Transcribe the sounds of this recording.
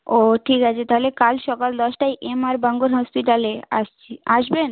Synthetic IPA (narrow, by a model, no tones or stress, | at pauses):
oʈʰikat͡ɕʰet̪aɦolekalʃɔkald̪ɔʃʈajʔemaɾbaŋɡoɾɦɔspiʈalea̰ʃt͡ɕʰiaʃben